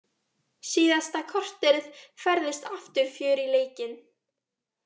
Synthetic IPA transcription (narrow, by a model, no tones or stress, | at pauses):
siːðast̪akʰɔr̥t̪ɛɾð̥fɛɾðɪst̪aft̪ʏɾ̥fjœːɾileːjcɪn